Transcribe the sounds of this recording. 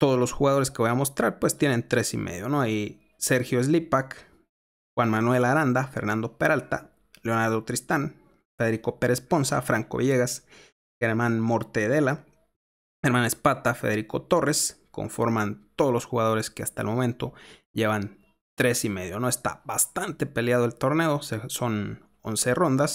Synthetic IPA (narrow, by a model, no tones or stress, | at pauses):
t̪o̞ðolo̞sxuɣaðo̞ɾe̞skeβo̞jamo̞st̪ɾaɾpwest̪je̞ne̞nt̪ɾe̞sḭmʔḛðjo̞noaji | se̞ɾxjo̞ezlipak | xwanmanwe̞laɾand̪afe̞ɾnand̪o̞pe̞ɾʔalt̪a̰ | leonaɾðot̪ɾist̪an | feðeɾiko̞pe̞ɾe̞spo̞nsa̰fɾaŋko̞̰βjeɣas | xeɾmanmoɾt̪eðe̞la | eɾmanespat̪afe̞̰ðe̞ɾiko̞t̪o̞re̞sko̞̰ɱfo̞̰ɾmant̪oðolo̞sxuɣað̞o̞ɾe̞skeast̪aelmõ̞mẽ̞nt̪o̞ʝe̞βan | t̪ɾe̞sime̞ðjo̞no̞e̞st̪a̰bast̪ant̪e̞pe̞ljaðoelt̪o̞ɾne̞ðo̞seso̞n | o̞̰nse̞ro̞nd̪as